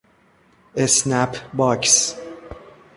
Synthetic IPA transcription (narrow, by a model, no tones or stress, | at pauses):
esnæpʰbɒːks